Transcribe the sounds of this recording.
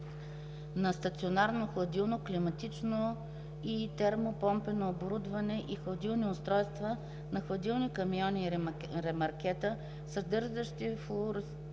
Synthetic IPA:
nɐst̪ɐt̪sionaɾnoxlˠɐd̪ilˠnoklimɐt̪it͡ʃno | it̪ɛɾmopɔmpɛnoːboɾud̪vɐnɛʔixlˠɐd̪ilˠniʊst̪ɾɔjst̪və | nɐxlˠɐd̪ilˠnikɐmiɔni | ɾɛmɐɾkɛt̪ə | səd̪ɤɾzəʃt̪ifʊɾ

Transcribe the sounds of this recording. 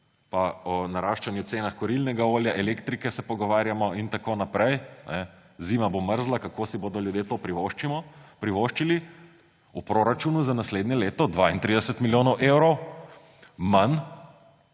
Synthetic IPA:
paɔnaɾaːʃt͡ʃanjut̪seːnaxkɔɾilnɛɡaoːljaʔɛlekt̪ɾikɛsɛpɔɡɔʋaːɾjamɔint̪akoːnapɾɛjnɛ | zimaboməɾzlakakoːsiboːd̪ɔljud̪jeːt̪oːpɾiʋoʃt͡ʃiɔpɾiʋoʃt͡ʃili | upɾoɾat͡ʃunuzanasleːd̪njɛleːt̪ɔd̪ʋaint̪ɾid̪ɛsɛt̪miljoːnɔwʔewɾɔw | man

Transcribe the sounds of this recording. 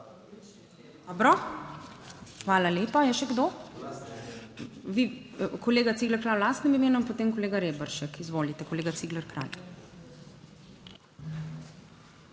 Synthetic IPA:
d̪ɔbɾɔ | xʋaːlaleːpajɛʃɛɡd̪o | ʋikoleːɡat̪siːɡlɛɾkɾaːwlaːst̪nimimeːnuinpot̪eːmkoleːɡaɾeːbəɾʃɛkizʋoːlit̪ɛkoleːɡat̪siːɡlɛɾkɾa̰ːj

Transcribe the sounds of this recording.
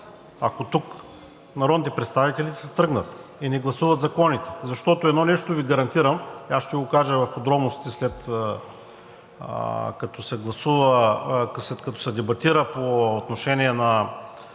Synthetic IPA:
ɐkot̪uk | nɐɾɔd̪nit̪ɛpɾɛt̪st̪avit̪ɛlisɛst̪ɾɤɡnət̪inɛɡlˠɐsuvɐt̪zɐkɔnit̪ɛ̥zɐʃt̪ɔt̪oɛd̪nɔnɛʃt̪oviɡɐɾɐnt̪iɾəmiasʃt̪ɛɡokaʒəvɐɾxʊd̪ɾɔbnosit̪ɛslɛt̪ | kɐt̪ɔsɛɡlˠɐsuvɐ | slɛt̪kɐt̪ɔ̥sɛd̪ɛbɐt̪iɾəpoot̪noʃɛniɛnɐ

